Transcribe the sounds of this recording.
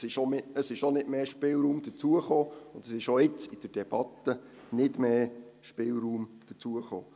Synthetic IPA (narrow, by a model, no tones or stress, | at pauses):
sɪʃomɪəsɪʃonɪdmeːʃpɪlɾuːmd̥̪ət͡suəχoːʊnd̥̪əsɪʃoɪt͡sid̥əɾd̥ɛb̥ɑt̪ːə | nɪdmeːʃpɪːlɾuːmd̪̥ət͡suəχo̰ː